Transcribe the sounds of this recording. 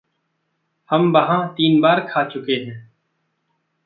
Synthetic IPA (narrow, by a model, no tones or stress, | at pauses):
həmbəɦãːt̪iːnbaːɾkʰaːt͡ʃʊkeːɦɛ̃ː